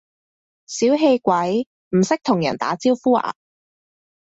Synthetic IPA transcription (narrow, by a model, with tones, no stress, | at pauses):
siː˨˥wɦe˧jkʷɐ˨˥j | m̩˨˩sɪ˥k̚t̪ʰʊ˨˩ŋjɐ̰˨˩nt̪a̰ː˨˥t͡siː˥wfuː˥a̰ː˨˩